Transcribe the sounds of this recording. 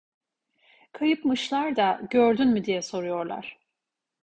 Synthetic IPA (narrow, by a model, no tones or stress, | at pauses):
kʰajɯpmɯʃlˠaɾd̪aɟøɾd̪ynmid̪ijɛso̞ɾujo̞ɾlˠa̰ɾ̥